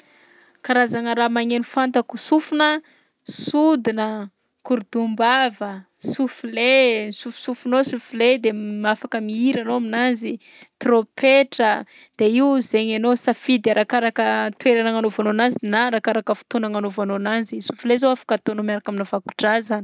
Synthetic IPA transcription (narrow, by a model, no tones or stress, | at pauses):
kaɾazaŋəɾamaŋenufant̪akusufunə | sud̪inə | kuɾd̪umbavə | sufulesufu̥sufunosufuled̪emafakəmiiɾanoaminazi | t̪ropʰeʈ͡ʂə | d̪̥eiwzeɲanosafid̪aɾʔakaɾakət̪weɾanaŋanovanonazinaɾakaɾakəfu̥t̪onaŋanovanonanzisufulezoafḁkət̪onomiaɾakaminavaku̥ʈ͡ʂazani̥